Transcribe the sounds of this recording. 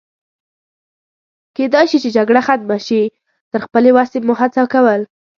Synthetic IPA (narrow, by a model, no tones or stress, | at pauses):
ked̪ɑjʃit͡ʃed͡ʒaɡɽaxat̪̚maʃi | t̪əɾxpəlewasemʊɦat͡sakawəl